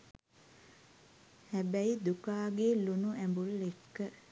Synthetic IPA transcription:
hæbæid̪ukaːɡelunuæmbulekːə

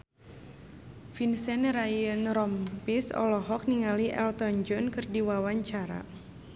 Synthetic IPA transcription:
finsɛnɾajənɾɔmpisɔ̰lɔɦɔk̚niŋaliʔɛ̰lt̪ɔnd͡ʒɔnkɨrdiwawaɲt͡ʃaɾa̰

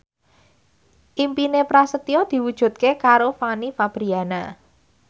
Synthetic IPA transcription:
ʔimpinepɾasət̪iɔd̪̥i̤wud̥ʒ̥ṳt̪̚kekaɾofanifab̥ɾiana

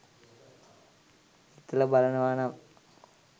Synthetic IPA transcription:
it̪ːɐlɐbalɐnɐʋaːnam

